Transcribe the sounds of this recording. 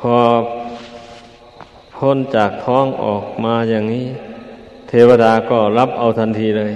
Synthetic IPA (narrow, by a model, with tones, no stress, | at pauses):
pʰɔː˧ | pʰo˧˥˨nt͡ɕaː˨˩k̚t̪ʰɔː˧˥˨ŋʔɔː˨˩k̚maː˧jaː˧ŋŋiː˦˥˨ | t̪ʰeː˧wa˧daː˧kɔː˧˩la˦˥p̚ʔa˧wt̪ʰa˧˨nt̪ʰiː˧lɤː˧j